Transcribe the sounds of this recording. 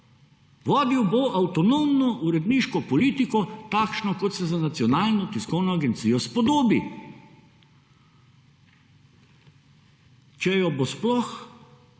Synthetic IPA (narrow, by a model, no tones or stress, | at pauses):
ʋaːd̪iwboʔawt̪ɔnomnɔʔuɾɛd̪niːʃkɔpɔliːt̪ikɔt̪aːkʃnɔkɔt̪sɛzanat̪siɔnaːlnɔt̪iskɔwnɔaɡɛnt̪siːjɔspɔd̪oːbi | t͡ʃɛjɔbosplɔx